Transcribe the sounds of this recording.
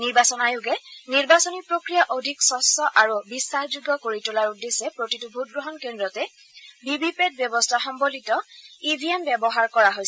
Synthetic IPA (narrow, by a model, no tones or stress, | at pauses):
niɹbasɔnajuɡɛniɹbasɔnipɹokɹijaʔodʱiksɔsɔʔaɹubisːaxzuɡɔkoɹitʊlaɹudesɛpɹotitubʱut̚ɡɹɔɦɔnkendɹɔtɛ | bibʱipet̚bjɔbɔstʰaxɔmbolitɔibʱiembjɛbɔɦaɹkɔɹaɦojsɛ